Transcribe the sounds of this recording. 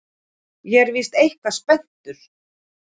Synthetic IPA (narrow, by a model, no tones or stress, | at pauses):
jɛɾvɪst̪ejhkvaspɛn̥t̪ʏɾ̥